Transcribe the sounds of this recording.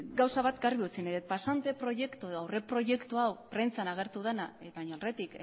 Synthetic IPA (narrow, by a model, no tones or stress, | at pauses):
ɡawsaβat̪ɡaɾβiut͡sineðet̪̚pasant̪e̞pɾo̞ʝe̞kt̪ueðoawre̞pɾo̞ʝe̞kt̪uawpɾe̞nt͡sanaɣ̞e̞ɾt̪uð̞enaβaɲoalret̪ik